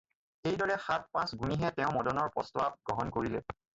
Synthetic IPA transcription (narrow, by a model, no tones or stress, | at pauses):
ejdɔɹɛxat̚pãsɡuniɦɛtɛʊ̃mɔdɔnɔɹpɔ̰stwab̚ɡ̥ɹɔɦɔnkoɹilɛ̰